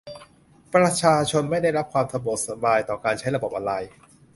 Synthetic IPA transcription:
pɾa˧t͡ɕʰaː˧t͡ɕʰo˧nma˥˩jda˥˩jɾa˦˥p̚kʰwaː˧mt̪ʰa˧bo˨˩t̪̚sa˧baː˧jt̪ɔː˨˩kaː˧nt͡ɕʰa˦˥jɾa˧bo˨˩p̚ʔa˧ɾa˧j

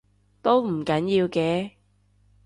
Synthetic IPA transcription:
t̪o˥wm̩˨˩kɐ˨˥njiː˧wkɛː˧

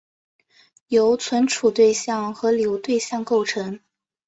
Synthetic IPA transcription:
jo˧˥ʊt͡sʰwə˧˥nʈ͡ʂʰu˨˩t̪we˥˧ɪɕjɑ˥˩ŋxɤ˧˥ljo˧˥ʊt̪we˥˧ɪɕjɑ˥˧ŋko˥˩ʊʈ͡ʂʰɤ˧˥ŋ

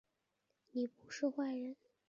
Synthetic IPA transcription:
ni˨˩pu˧˥ʂɻ̩˥˧xwa˥˩ɪɻə˧˥n

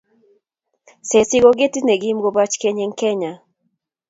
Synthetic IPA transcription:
se˨sɪ˦ɡɔ˦ɡe˦ti˦ne˨ɡi˦mɡo˦ba˦t͡ʃke˦ɲe˦ŋkɛ˦ɲa˨

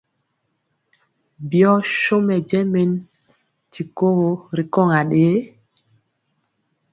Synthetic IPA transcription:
bi˨ɔ˦ʃo˦mɛ˨d͡ʒɛ˦me˦n | ti˨ko˦ɣo˨ɾi˨kɔ˦˨ŋa˨ɗeː˨˦

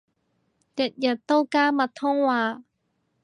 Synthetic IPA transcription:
tɐ˨˩t̚jɐ˨˩t̚t̪ːo˥wkaː˥mɐ˨˩t̪ʰːʊ˥ŋwaː˨˧

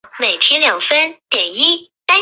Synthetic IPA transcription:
me˨˩ɪt̪ʰjɛ˥ljɑ˨˩ŋfə˥nt̪jɛ˨˩ni˥t̪a˥

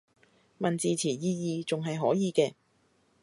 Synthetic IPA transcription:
mɐ˨nt͡siː˨t͡sʰiː˨˩jiː˧jiː˨˧t͡sʊ˨ŋɦɐ˨jɦɔː˨˥jiː˨˧kɛː˧

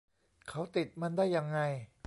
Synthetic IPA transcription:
kʰa˦˥wt̪i˨˩t̪̚ma˧ndaː˥˩jːa˧ŋːa˧j

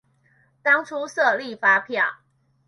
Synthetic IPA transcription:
t̪ɑ˥ŋʈ͡ʂʰu˦sɤ˥˨li˥˨fa˦pʰja˥˨˩

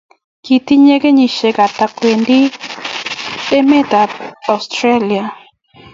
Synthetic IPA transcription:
ki˨t̪i˦ɲe˦ɡe˦ɲi˨ʃe˨ɡa˨t̪a˨kwe˨ndi˦ | ɗe˦me˦t̪a˨ɔ˨st̪ɾe˦li˨a˨

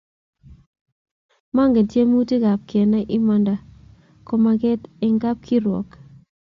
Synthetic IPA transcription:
ma˦ŋɡe˨tje˦mu˦ti˦ɡa˨p̚kɛ˨nɛ˦ʔɪ˦mɔ˦nda˨ | ko˦ma˨ɡɪ˦tɪ˦ŋɡa˦p̚kʰi˦ɾwɔ̰˨k

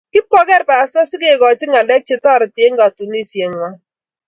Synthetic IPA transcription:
kɪ˦p̚kɔ˦kɛ˦ɾpa˨a˨stɔ˦sɪ˦ke˨ɡɔ˨t͡ʃɪ˦ŋa˨lɛ˦k̚t͡ʃɪ˦tɔ˦˨ɾɪ˨te˨˦ŋɡa˨tu˨ni˦sje˨ŋ˨wa˦

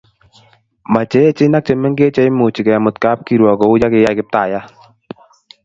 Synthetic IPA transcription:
ma˨t͡ʃe˨˦e˦t͡ʃɪ˦na˦k̚t͡ʃe˨mɛ˦ŋɡe˦t͡ʃe˦ɪ˦mo˨t͡ʃi˨kɛ˨ja˨mo˨t̪ka˦p̚ki˨ɾwɔ˨kɔ˨ʊ˦d͡ʒa˦kɪ˨˦ja˦kɪ˦p̚t̪a˨ja˦

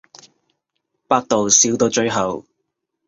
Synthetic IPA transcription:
paː˥k̚t̪o˨wsiː˨˥wt̪o˧t͡ʃɵ˧ɥɦɐ˨˩w

